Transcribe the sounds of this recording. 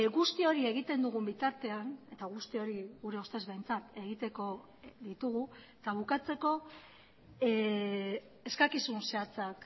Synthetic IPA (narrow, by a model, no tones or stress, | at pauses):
ɣust̪io̞ɾie̞ɣ̞it̪e̞nd̪uɣ̞umbit̪aɾt̪e̞ane̞t̪aɣ̞ust̪io̞ɾiɣuɾe̞o̞st̪e̞zβe̞jnt͡sat̪e̞ɣ̞it̪e̞ko̞ | ðit̪uɣu | t̪aβ̞ukat͡se̞ko̞ | e̞skakisunse̞at͡sak